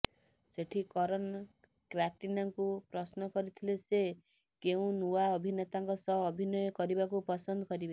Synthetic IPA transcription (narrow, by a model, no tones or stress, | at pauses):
seʈʰikɔɾɔn | kɾaʈinaŋkupɾɔsnɔkɔɾit̪ʰilese | keũnuaɔbʱinet̪aŋkɔsɔɦːbʱinɔjɔkɔɾibakupɔsɔnd̪ɔkɔɾibe